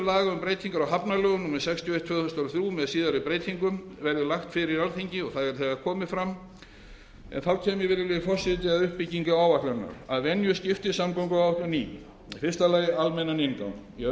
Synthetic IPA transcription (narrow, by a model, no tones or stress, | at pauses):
laːɣaʏmpɾeːjt̪ʰiŋkaɾawɦapnalœːɣʏnumɛsɛkst̪ʰjɔejht̪ʰvœːðθʏst̪alθɾjumɛðsiːðaɾʏpɾeːjt̪ʰiŋkʏmvɛɾðɪlaxt̪fɪɾɪialθiɲcɪɔɣθaðɛɾ̥θɛɣakʰɔːmɪfɾamː | ɛ̰nθawcʰɛːmjɛɾvɪɾðɪlɪfɔr̥sɪt̪ɪaðʏhpiciŋkaaːwvaklaɾna̰ɾaðvɛnjʏscɪft̪ɪsamkawŋkʏawawht̪ʰjɔniː | fɪrst̪alaːjɪalmɛnːanɪnka̰wn | jɛ